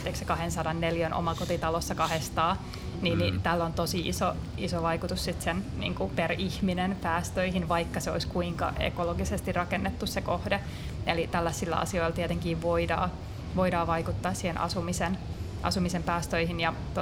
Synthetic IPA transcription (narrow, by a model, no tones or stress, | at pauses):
t̪ːeksekɑhensɑdɑnːeljænʔo̰mɑkot̪it̪ɑlosːɑkɑhest̪ɑː | niːnnit̪ælːont̪osiḭso | isoʋɑikut̪ussit̪sennḭːŋkuperihminenpæːst̪øihinʋɑikːɑseo̰iskuiŋkɑ̰ʔḛkoloɡisest̪irrɑkenːet̪ːussekohde | elit̪ælːæsːilːæ̰ɑ̰sioilt̪iet̪eŋkiːʋʋoidɑ̰ː | ʋoidɑːʋɑikut̪ːɑːssiːhenʔɑ̰sumisen | ʔɑ̰sumisempæːst̪øihinjɑ | t̪